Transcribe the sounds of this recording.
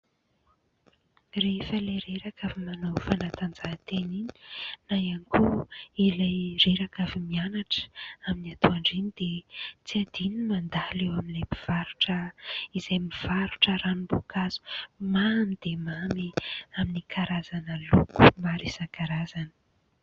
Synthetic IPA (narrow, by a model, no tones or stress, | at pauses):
refəleɾeɾakavimanowfanat̪and͡zat̪enini̥najanikuilajreɾakavimianaʈ͡ʂə̥aminiat̪uaɳɖ͡ʐinid̪et͡siad̪̥inimand̪alewaminemiv̥aɾuʈ͡ʂəizajmiv̥aɾuʈ͡ʂəɾanumbokazu̥mamid̪̥emamiaminikʰaɾazanəluku̥maɾizaŋkaɾazanə̥